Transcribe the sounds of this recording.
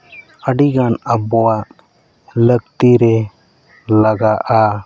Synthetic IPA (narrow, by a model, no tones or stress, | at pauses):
əɖiɡanəbɔaʔ | ləɡt̪iɾɛ | laɡaʔa